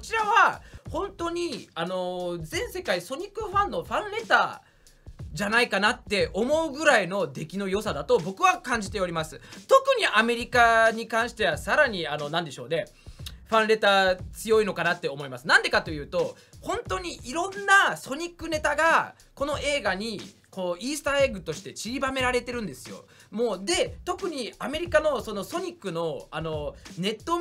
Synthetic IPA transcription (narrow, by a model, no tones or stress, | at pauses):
ko̥t͡ɕiɾaβahõ̞nt̪o̞ɲ̟iano̞d͡zẽ̞ɰ̃se̞kaiso̞ɲ̟ikːɯɸãnːo̞ɸãnɾe̞t̪a̰ | d͡ʑanaikanat̪ːe̞ʔo̞mo̞ɯ̟ɡɯ̟ɾaino̞d̪e̞kʲino̞jo̞sad̪at̪o̞bo̞kɯ̟βakãɲ̟d͡ʑit̪e̞o̞ɾʲimasɨ̥t̪o̞kɯ̟ɲ̟iʔame̞ɾʲikaɲ̟ikãɰ̃ɕi̥t̪e̞βasaɾaɲ̟iano̞nãnd̪e̞ɕo̞ːne̞ | ɸãñɾe̞t̪aːt͡sɨjo̞ino̞kanat̪ːe̞omo̞imasɨnãnd̪e̞kat̪o̞jɯ̟ːt̪o̞ | hõ̞nt̪o̞ɲ̟iʔiɾõ̞nːaso̞ɲ̟ikːɯ̟ne̞t̪aɡa | ko̞no̞ʔe̞ːɡaɲ̟i | ko̞ːiːsɨ̥t̪aeɡɯ̟t̪o̞ɕi̥t̪e̞t͡ɕiɾʲibame̞ɾaɾe̞t̪e̞ɾɯ̟̃nd̪e̞sɨjo̞̰ | mo̞ːd̪e̞t̪o̞kɯ̟ɲ̟iame̞ɾʲikano̞so̞no̞so̞ɲ̟ikːɯ̟no̞ano̞ne̞t̪ːo̞